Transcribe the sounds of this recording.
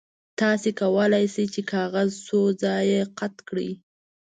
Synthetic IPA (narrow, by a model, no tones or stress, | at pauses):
t̪ɑsekawəlajsəjt͡ʃekʰɑɣazsozɑjeqat̪kɽi